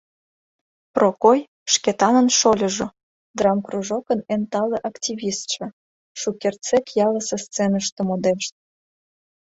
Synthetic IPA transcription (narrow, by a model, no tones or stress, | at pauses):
prokoj | ʃket̪ɑnənʃolʲə̆ʒŏ | d̪rɑmkruʒokənent̪ɑlĕʔɑktʲiβʲist̪ʃĕ | ʃukert͡sekjɑləsest͡senəʃt̪ə̆mod̪eʃt̪̚